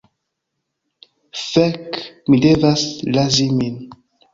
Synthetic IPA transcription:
fɛkmidevaslazimin

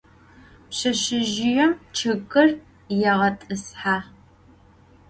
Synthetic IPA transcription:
pɕɐʃɪʒɪjɛmt͡ʃʰɨɣʼɨr | jɛʁɐtʼɨsħaː

